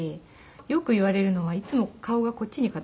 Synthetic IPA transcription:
e | jo̞kɯ̟iβaɾe̞ɾɯ̟no̞β̞ait͡sɨmo̞kao̞ɡako̞t̚ʲːiɲ̟ikat̪

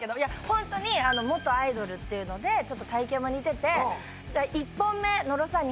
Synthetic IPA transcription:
ked̪o̞jahõ̞nt̪o̞ɲ̟iano̞mo̞t̪ːo̞aid̪o̞ɾɯ̟t̪ːe̞iɯ̟no̞d̪e̞t͡ɕo̞t̪ːo̥t̪aikẽmoɲ̟it̪e̞t̪e̞ | aʔipːõ̞mːe̞no̞ɾo̞saɲ̟

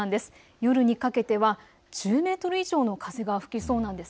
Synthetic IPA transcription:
and̪e̞sɨ̥ | jo̞ɾɯ̟ɲ̟ikake̞t̪e̞βa | ʑ̥ɨːme̞ːt̪o̞ɾɯ̟iʑo̞ːno̞kʰaze̞ɡaɸɯ̟̥kʲiso̞ːnãnd̪e̞s

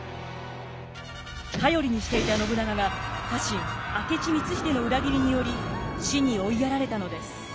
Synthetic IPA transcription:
kajo̞ɾʲiɲ̟iɕi̥t̪e̞it̪ano̞bɯ̟naɡaɡakaɕĩŋake̞t͡ɕimʲit͡sɨçi̥t̪e̞no̞ɯ̟ɾaɡʲiɾʲiɲ̟ijo̞ɾʲiɕiɲ̟io̞iaɾaɾe̞t̪ano̞d̪e̞sɨ̥

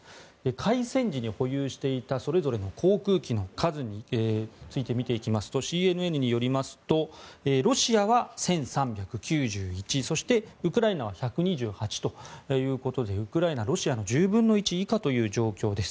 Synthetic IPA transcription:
ekʰaisẽ̞ɲ̟d͡ʑiɲ̟iho̞jɯːɕi̥t̪e̞it̪aso̞ɾe̞zo̞ɾe̞no̞kʰo̞ːkɯ̟ːkʲino̞kʰazɨɲ̟it͡sɨit̪e̞mʲit̪e̞ikʲimasɨ̥t̪o̞ɕiːe̞nɯ̟e̞nɯ̟ɲ̟ijo̞ɾʲimasɨ̥t̪o̞eɾo̞ɕiaβ̞asẽ̞ɰ̃sãmbʲjakɯ̟kʲɨːʑɨːit͡ɕiso̞ɕi̥t̪e̞ɯkɯ̟ɾainaβ̞açakɯ̟ɲ̟iʑɨːhat͡ɕi̥t̪o̞jɯ̟ːko̞t̪o̞d̪e̞ɯ̟kɯ̟ɾainaɾo̞ɕiano̞ʑɨːbɯ̟̃nːo̞it͡ɕiːkat̪o̞jɯ̟ːd͡ʑo̞ːkʲo̞ːd̪e̞sɨ̥

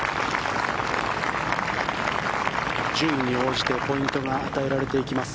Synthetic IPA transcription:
d͡ʑɨːɲːio̞ːʑi̥t̪e̞po̞ĩnt̪o̞ɡaːt̪ae̞ɾaɾe̞t̪e̞ikʲimasɨ̥

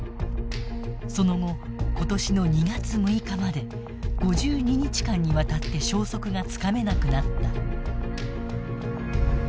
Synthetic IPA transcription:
so̞no̞ɡo̞ko̞t̪oɕino̞ɲ̟iɡat͡sɨmɯ̟ikamad̪e̞ | ɡ̥o̞ʑɨːɲ̟iɲ̟it͡ɕi̥kãɲ̟ːiβat̪at̪ːe̞ɕo̞ːso̞kɯ̟ɡat͡sɨ̥kame̞nakɯ̟nat̪ːa

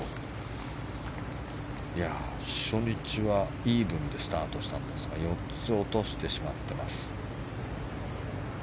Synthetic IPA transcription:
ja | ɕo̞ɲ̟it͡ɕiβa | iːbɯ̟̃nd̪e̞sɨ̥t̪aːt̪o̞ɕi̥t̪ãnd̪e̞sɨɡajo̞tt͡sɨo̞t̪o̞ɕi̥t̪e̞ɕimat̪ːe̞masɨ̥

